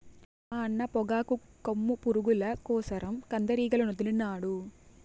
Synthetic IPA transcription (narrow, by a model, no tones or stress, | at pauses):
aːɐnːɐpɔɡaːkukɐmːupuɾuɡulɐkɔːsɐɾɐmkɐnd̪ɐɾiːɡɐlɐnod̪ulunaːɽu